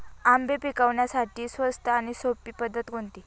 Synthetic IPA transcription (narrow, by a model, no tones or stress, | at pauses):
ambepikaʋɳjasaʈiːsʋəst̪ʰəaɽ̃isopiːpəd̪ʱːət̪ɡoɳt̪iː